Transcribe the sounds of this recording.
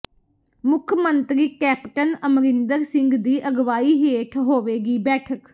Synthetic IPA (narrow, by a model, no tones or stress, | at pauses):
mʊkʰmənt̪ɾiːkɛːpʈənəmɾɪnd̪əɾsɪ̃ŋɡd̪iːʔəɡʋaːiːɦeːʈʰɦoːʋeːɡiːbɛːʈʰək